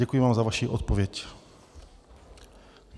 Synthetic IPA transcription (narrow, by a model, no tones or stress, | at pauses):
ɛkujɪvaːmzavaʃiːʔot̪̚povjɛc